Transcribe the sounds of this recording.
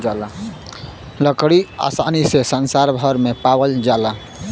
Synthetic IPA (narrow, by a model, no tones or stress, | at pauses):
l | ləkɽia̰sanisesənsaɾbʱəɾmepawəld͡ʒala